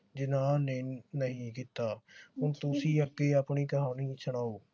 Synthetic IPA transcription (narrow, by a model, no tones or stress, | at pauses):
d͡ʒɪnãːnɪnːəɦĩːkiːt̪aːɦʊnt̪ʊsĩːəɡːeːaːpɳiːkəɦaːniːsəɳ̃aːoː